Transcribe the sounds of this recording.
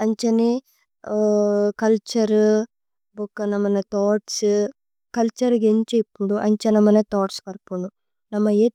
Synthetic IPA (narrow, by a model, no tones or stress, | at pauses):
ɐɲt͡ʃɐni | kɐlt͡ʃɐɾ | bukːɐnɐmːɐnet̪oːʈs | kɐlt͡ʃɐɾɡeɲt͡ʃepːuɳɖuʔɐɲt͡ʃɐnɐmːɐnet̪oːʈskɐɾpuɳɖu | nɐmːɐe